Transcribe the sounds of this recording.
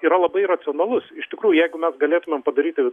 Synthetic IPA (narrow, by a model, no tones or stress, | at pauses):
iːɾɐlˠɐbɐɪrɐt͡s̪ʲɪoːnɐlˠʊsɪʃt̪ʲɪkɾuːjʊjɛɪɡʊmʲɛsɡɐlʲeːt̪ʊmʲeːmpɐd̪ɐɾʲiːt̪ʲɪʋʲɪ